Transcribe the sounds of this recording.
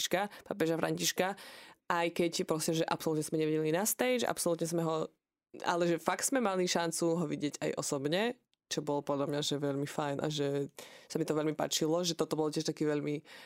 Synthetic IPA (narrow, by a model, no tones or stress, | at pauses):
ʃkapa̰p̬ɛʒafɾa̰ɲciʃkaʔajkɛcpɾɔsimʒɛʔa̰psɔlut̪ɲɛzmɛɲɛʋiɟɛlinast̪ɛɪd͡ʒa̰psɔlut̪ɲɛzmɛɦɔ | a̰lɛʒɛfakt̪z̥mɛmaliʃant͡suɦɔʋiɟɪɛɟa̰jʔɔ̰sɔbɲɛ | t͡ʃɔbɔlɔpɔd̪ʎamɲaʒɛʋɛʎmifajnʔa̰ʒɛsamit̪ɔʋɛʎmipa̰ːt͡ʃilɔʒɛt̪ɔt̪ɔbɔlcɪɛʃt̪akiːʋɛʎmi